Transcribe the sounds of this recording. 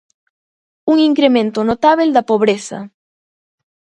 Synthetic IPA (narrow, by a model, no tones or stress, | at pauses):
uŋiŋkɾemẽnt̪onot̪aβeld̪ɐpoβɾesɐ̰